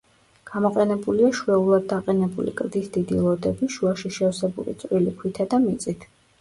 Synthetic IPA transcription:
ɡ̥amɔqʼɛnɛbuliaʃwɛulˠad̪̚ːaqʼɛnɛbulḭkʼɾd̪isd̪id̪ḭlˠɔd̪ɛbiʃuaʃiʃɛɔsɛbṵlḭt̪sʼwilikʰwit̪ʰad̪amit̪sʼit̪ʰ

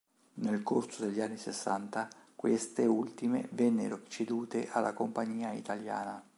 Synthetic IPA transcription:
nelkorsod̪eʎːanːisesːant̪akwest̪eult̪imḛvɛnːḛɾot͡ʃed̪uːt̪eʔalʔakompaɲːiːaḭt̪alja̰ːna

